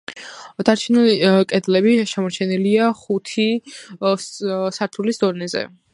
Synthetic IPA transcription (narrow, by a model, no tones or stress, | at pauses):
d̪̥aɾt͡ʃʰinɛlikʼɛd̪lɛbiʃɛmɔɾt͡ʃʰɛniliaχut̪ʰi | saɾt̪ʰulisd̪ɔnɛzɛ̰